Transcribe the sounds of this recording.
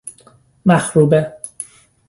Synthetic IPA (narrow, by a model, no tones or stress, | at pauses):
mæxɾuːbe